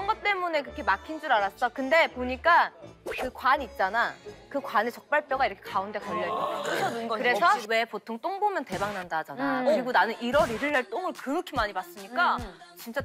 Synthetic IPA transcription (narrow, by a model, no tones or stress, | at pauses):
kɾʌnɡʌt͈e̞mune̞kɯɾʌkʰemakʰind͡ʑuɾaɾas͈ʌkɯnde̞poɲik͈akɯkwaɲiːt̚t͡ɕ͈anakɯkwanet͡ɕʌk̚p͈aɭp͈ʰjʌɡaiɾʌkʰekaunde̞kʌʎːʌiokɯɾe̞sʰʌwe̞potʰoŋt͈oŋbomjʌnte̞baŋnandad͡ʑanakɯɯɾiɡonanɯniɾʌɾiɾɯɭːaɭt͈oŋɯɭkɯɯkʰimaɲibas͈ɯmɲik͈at͡ɕint͡ɕ͈a